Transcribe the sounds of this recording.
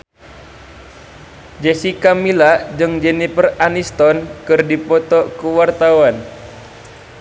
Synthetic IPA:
d͡ʒɛsikamilad͡ʒɨŋd͡ʒɛnipəranist̪ɔnkɨrdipɔt̪ɔkəwart̪awan

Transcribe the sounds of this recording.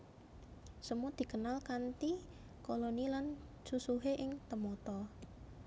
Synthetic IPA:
səmud̪̥i̤kənalkant̪i | kolonilan | susuɦeʔɪŋt̪əmɔt̪ɔ

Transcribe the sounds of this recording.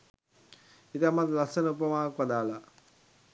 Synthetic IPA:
it̪iɐmat̪lɐsɐnupːɐmaːɐkʋɐd̪aːla

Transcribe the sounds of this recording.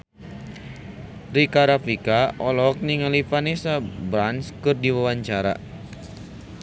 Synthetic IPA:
rikaɾafikaʔɔlɔk̚niŋalipanisabɾanskɨrdiwawaɲt͡ʃaɾa̰

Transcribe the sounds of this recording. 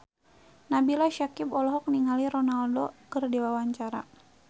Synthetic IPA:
nabilaʃakipɔlɔɦɔk̚niŋaliɾɔnaldɔkɨrdewawaɲt͡ʃaɾa

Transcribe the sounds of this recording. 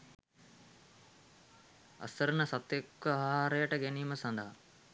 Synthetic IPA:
ɐ̰səɾənəsɐt̪jekʋəaɦɦaːɾəjəʈəɡæniːməsɐnd̪əɦa

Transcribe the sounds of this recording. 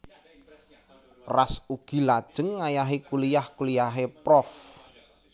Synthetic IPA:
rasuɡ̥i̤lad̥ʒ̥əŋːajaɦekulijahkulijaɦepɾɔf

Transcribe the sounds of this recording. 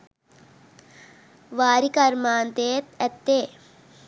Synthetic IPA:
ʋaːɾikɐɾmaːnt̪eːt̪ɛt̪ːeː

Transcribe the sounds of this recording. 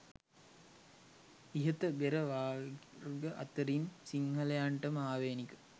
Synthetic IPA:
iɦət̪əbeɾəʋaːɡəʔat̪əɾinsiŋɦəlejaɳʈəmaːʋeːnikə̥

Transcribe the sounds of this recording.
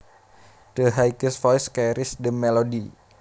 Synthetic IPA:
d̥əɦajkəsfɔjskaɾɪsdəmːɛlodi

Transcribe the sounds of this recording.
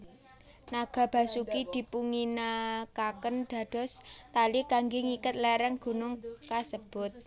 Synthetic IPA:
naɡ̥a̤b̥ä̤sukid̪̥i̤puŋinakakənɖ̪̥ä̤d̪̥ɔ̤st̪alikaŋɡɪŋikət̪̚lɛɾəŋɡ̥ṳnʊŋkasəb̥ʊ̤t̪̚

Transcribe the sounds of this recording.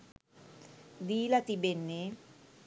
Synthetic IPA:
d̪iːlat̪ibenːe

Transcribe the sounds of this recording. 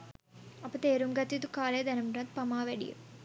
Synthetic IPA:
ɐpːɐt̪eːɾumɡɐt̪ːit̪ukaːleːd̪ɐnɐmʈɐt̪̚pɐmaːʋeɽḭjṵ

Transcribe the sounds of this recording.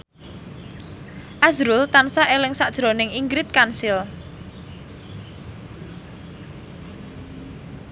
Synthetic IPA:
ʔazɾult̪ansaʔelɪŋsaʔd̥ʒ̥ɾonɪŋiŋɡɾɪt̪̚kansɪl

